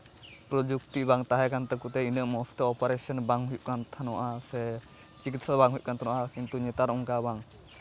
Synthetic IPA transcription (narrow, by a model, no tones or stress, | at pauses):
pɾɔd͡ʒukt̪ibaŋt̪aɦɛkant̪ɛkut̪ɛinəʔmɔst̪eɔpɔɾɛsɔnbaŋɦujuʔkant̪ʰanɔaʔasɛ | t͡ʃikit̪sabaŋɦujuʔkant̪ʰanwaʔakint̪uɲɛt̪aɾuŋkabaŋ